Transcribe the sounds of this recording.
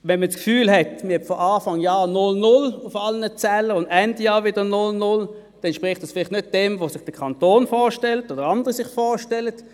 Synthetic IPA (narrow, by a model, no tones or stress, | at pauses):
vɛnməskfyːlhɛtmɪhɛbfɔaːfɑŋjaːnʊlnʊlʊfɑlnət͡sɛləʁʊndɛndjɑːʋɪd̥ənʊlnʊl | d̥ɛnʃpʁɪχtd̥ɑsfɪlɪχtnød̚d̥ɛmvosɪχd̥əkʰɑntoːnfɔːʃtɛltoːd̥əʁɑndəʁisɪχfɔːʃtɛlət